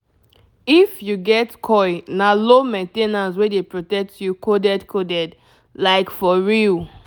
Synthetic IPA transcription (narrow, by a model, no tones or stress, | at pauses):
ifjuɡɛtkʰɔɪnalomẽntenãns̬wedepɹotɛk̚tjukodɛdkʰodɛd | laɪkfɔɹil